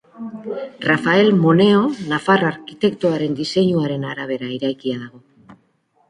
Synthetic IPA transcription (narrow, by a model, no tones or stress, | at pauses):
rafae̞lmone̞o̞nafaraɾkit̪e̞kt̪uaɾe̞nd̪ise̞ɲuaɾe̞naɾaβ̞e̞ɾaiɾajkiaðaɣ̞o̞